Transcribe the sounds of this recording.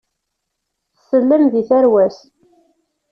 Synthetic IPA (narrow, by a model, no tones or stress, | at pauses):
θəsːəlːəmðiθæɾwæs